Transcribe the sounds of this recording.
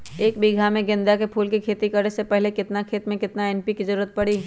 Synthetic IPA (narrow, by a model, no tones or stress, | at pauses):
eːkbiɡʱamẽɡɪ̃nd̪jakepʰuːlkikʰeːt̪ikɐɾnesepɛɦlekɪt̪nakʰeːt̪mẽkɪt̪naɛːnpikizəɾuːɾət̪̚pɐɽiː